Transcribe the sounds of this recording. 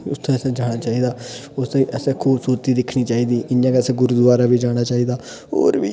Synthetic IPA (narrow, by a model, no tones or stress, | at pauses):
ʊt̪ʰːẽɛsẽːd͡ʒaːɽ̃aːt͡ʃaːiːd̪aːʊseʔɛsẽːkʰuːbsuːɾət̪iːd̪ɪkʰniːt͡ʃaːiːd̪iːʔɪjãːkɛːseːɡʊɾuːd̪ʊʋaːɾaːbiːd͡ʒaːɽ̃aːt͡ʃaːiːd̪aː | ɦo̰ːɾbḭː